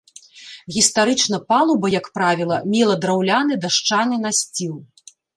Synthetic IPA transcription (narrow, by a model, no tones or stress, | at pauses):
ɣʲist̪aɾɨt͡ʂn̪ɐpalˠubɐjɐkpɾavʲilˠɐmʲilˠɐd̪ɾawlʲanɨd̪aʂt͡ʂanɨnasʲt͡sʲiw̪ˠ